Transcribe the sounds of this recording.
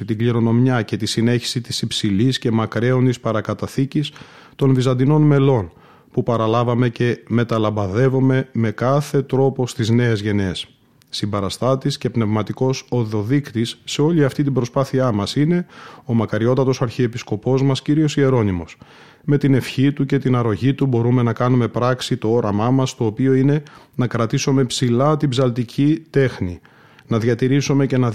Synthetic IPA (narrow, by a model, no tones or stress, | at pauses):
it̪iɡliɾo̞no̞mɲɐce̞t̪isine̞çi̥sit̪isipsilisce̞mɐkɾe̞o̞nd̪ispɐɾɐkɐt̪ɐθicis | t̪o̞nvizɐnd̪ino̞nme̞lo̞n | pupɐɾɐlɐvɐme̞ce̞me̞t̪ɐlɐmbɐðe̞vo̞me̞me̞kɐθe̞t̪ɾo̞po̞st̪izne̞ezʝe̞ne̞sː | imbɐɾɐst̪ɐt̪isce̞pne̞vmɐt̪iko̞so̞ðo̞ðikt̪isːe̞o̞liɐft̪it̪̬ibɾo̞spɐθiɐmɐsine̞o̞mɐkɐɾio̞t̪ɐt̪o̞sɐɾçiepisko̞po̞zmɐsciɾio̞sie̞ɾo̞nimo̞s | me̞t̪ine̞fçit̪uce̞t̪inɐɾo̞ʝit̪ubo̞ɾume̞nɐkɐnume̞pɾɐksit̪o̞o̞ɾɐmɐmɐst̪o̞ːpio̞ine̞ | nɐkɾɐt̪isome̞psilɐt̪ibzɐlt̪icʰit̪e̞xni | nɐðʝɐt̪iɾisome̞ce̞nɐ